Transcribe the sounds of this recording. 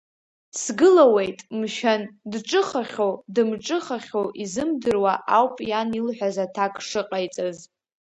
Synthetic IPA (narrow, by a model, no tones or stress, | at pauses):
sɡɨlawe̞jtʼmʃandʈ͡ʂʼɨχaχʲodɨmʈ͡ʂʼɨχaχʲoʔizɨmdɨrwaʔawpʼjanilħʷᶣazatʰakʼʰʂɨqʼajt͡sʼaz